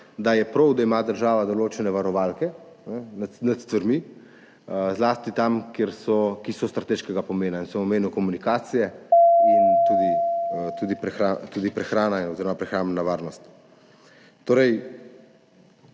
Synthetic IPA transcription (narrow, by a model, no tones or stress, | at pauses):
d̪ajɛpɾɔwd̪aimad̪əɾʒaːʋad̪ɔloːt͡ʃɛnɛʋaɾɔʋalkɛ | nɛnat̪nat̪st̪ʋaɾmi | zlaːst̪it̪amkjeɾsɔkisɔst̪ɾat̪eːʃkɛɡapɔmeːnainsɛmɔmeːniwkɔmunikaːt̪sijɛint̪uːd̪it̪uːd̪ipɾɛxɾat̪uːd̪ipɾɛxɾaːnanoziɾɔmapɾɛxɾaːmbnaʋaːɾnɔst̪ | t̪oːɾɛj